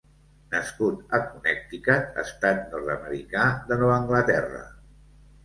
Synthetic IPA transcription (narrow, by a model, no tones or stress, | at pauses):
nəskut̪əkunɛk̚t̪ikaə̰st̪at̪̚nɔɾt̪əməɾikaðənɔβəŋɡlət̪ɛrə̰